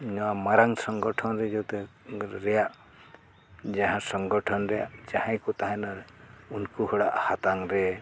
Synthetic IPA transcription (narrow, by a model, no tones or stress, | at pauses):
nɔwamaɾaŋsɔŋɡɔʈʰɔnɾɛd͡ʒɔwt̪ɛɾɛjaʔ | d͡ʒaɦãsɔŋɡɔʈʰɔnɾɛjaʔd͡ʒahãjkut̪aɦãnaɾunkuhɔɽaʔhat̪aŋɾɛ